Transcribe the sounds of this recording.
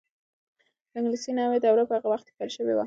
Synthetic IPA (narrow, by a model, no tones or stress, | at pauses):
ɪŋɡlisinɑwed̪awɾapəhaɣawaxt̪palʃəwewa̰